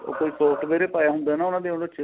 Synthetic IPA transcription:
o̰ːkoːiːsoːʈbeːɾeːpaːjaːɦʊ̃nd̪aɛnaːʊnãːd̪eːɦõnot͡ʃʰe

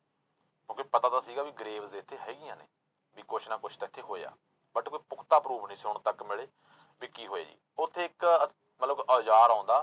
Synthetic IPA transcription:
kõːkipət̪aːd̪aːsiːɡaːʋiːɡəɾeːʋzd̪eːɪt̪ʰːeːɦɛːɡɪjãːnḛː | biːkʊt͡ʃʰnãːkʊt͡ʃʰt̪aːɪt̪ʰːeːɦoːḛa̰ː | bəʈkoːiːpʊkʰt̪aːpɾuːpnĩːsʊɳ̃t̪əkmɪɭeː | ʋɪkːiːɦoːḛːd͡ʒḭː | ʊt̪ʰːeːɪk | mət̪ləbəːd͡ʒaːɾãːnd̪aː

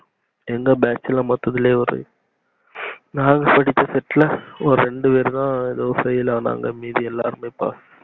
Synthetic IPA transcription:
ɛŋɡɐbaːt͡ʃːɪlɐmɐt̪ːɐðɪleːɔɾɯ̰ | naːŋɡɐpɐɽɪt̪ːɐsɛʈːlɐɔɾɯɾɛɳɖɯpeːɾɯt̪ãːɛðoːfɐjɪlaːna̰ːŋɡɐmiːðiɛlːa̰ːɾɯmɐpa̰ːsɯ̥

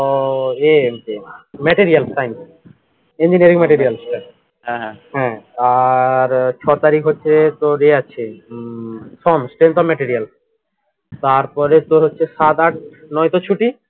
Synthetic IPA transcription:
emkemɛʈiɾijalsʈajn | eɲd͡ʑineɾikmɛʈiɾialsʈa | ɦɛ̃ɛ̃ɦɛ̃aɾt͡ɕʰɔt̪aɾikɦotːɕʰet̪oɾeat͡ɕʰe | sɔmsʈent̪ɔmɛʈiɾial | t̪aɾpɔɾet̪oɾɦotːɕʰeʃad̪aʈ | nɔjt̪ot͡ɕʰuʈi

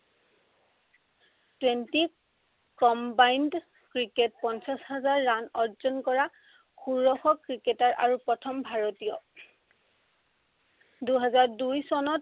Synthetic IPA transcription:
twenti | kɔmbajnd | kɹiketpɔnsasɦazaɹːanɔɹzɔnkɔɹa | kʰuɹːɔxɔkɹiketaɹʔa̰ɹupɹɔtʰɔmbʱaɹotijɔ | duɦɛzaɹdujsɔnɔt̚

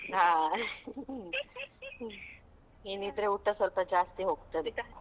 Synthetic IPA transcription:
ɦa | ɦinid̪ɾeuʈəsolpəd͡ʒast̪iɦoɡt̪ən

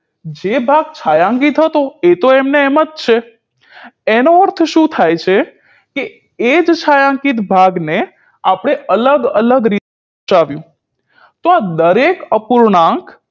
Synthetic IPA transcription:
d͡ʒebʱaɡ̚t͡ʃʰajãŋkit̪ɦət̪oet̪oɛmneːmət̪̚t͡ʃʰe | enoəɾt̪ʰʃũt̪ʰajt͡ʃʰe | ke | ed͡ʒt͡ʃʰajãŋkit̪bʱaɡne | apəɽ̃eələɡələɡɾit̪e | t͡ʃaʋjũ | t̪oad̪əɾekəpuɾɳãŋk

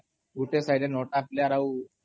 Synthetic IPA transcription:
ɡuʈesajɖenoʈaːpljaɾaw

